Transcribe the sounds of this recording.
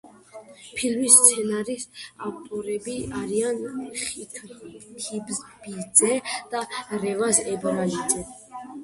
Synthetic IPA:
pʰilmist̪sʰɛnaɾisavt̪ʼɔɾɛbiaɾianχitʰkʰibzbid̪zɛd̪̥aɾɛvasɛbɾalid̪zɛ

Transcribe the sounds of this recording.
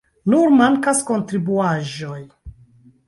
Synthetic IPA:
nuɾmaŋkasko̞ntɾibuaʒo̞j

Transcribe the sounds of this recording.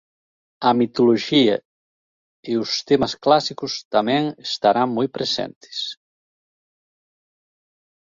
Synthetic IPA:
ɐmit̪oloʒiɐ | eʊst̪emɐsklasikʊst̪amɛ̃ŋest̪aɾaŋmojpɾesɛ̰nt̪ɪ̥s

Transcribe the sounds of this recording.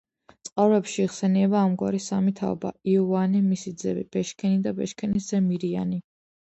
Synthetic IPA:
t̪sʼqʼavɾɛpʃiːʁsɛniɛbaːmɡwa̰ɾisamit̪ʰa̰ɔ̰ba̰iɔanimisid̪zɛbḭb̥ɛʃkʰɛnid̪abɛʃkʰɛniz̥ɛmiɾia̰ni

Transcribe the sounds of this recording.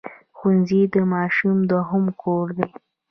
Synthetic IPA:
xunzid̪əmɑʃumd̪waɦʊmkʰoɾd̪e

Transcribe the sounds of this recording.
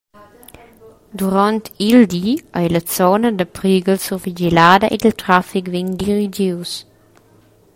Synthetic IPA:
d̪uɾant̪ild̪iajlɐt͡sɔnəd̪əpɾiɡəlsuvid͡ʒɛlaːd̪ɐʔed̪əlt̪ɾafikvɛnd̪iɾid͡ʒiws

